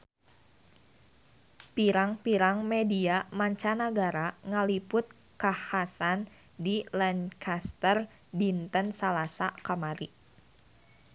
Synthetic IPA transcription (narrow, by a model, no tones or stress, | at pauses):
piɾaŋpiɾaŋmediamaɲt͡ʃanaɡaɾaŋalipʊt̪̚ | kahasan | dilɛnkʰast̪ər | dint̪ənsalasakamaɾi